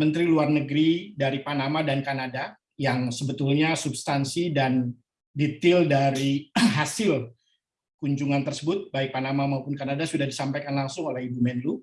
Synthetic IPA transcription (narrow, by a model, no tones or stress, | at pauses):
mənt̪ɾiluarnəɡɾidaɾipanamadankanada | jaŋsəbət̪ulɲasubst̪ansidan | dit̪ɪldaɾiɦasɪl | kuɲd͡ʒuŋant̪ərsəbʊt̪̚baɪk̚panamamaupʊnkanadasudahdisampajkanlaŋsʊŋolɛhibumɛnlu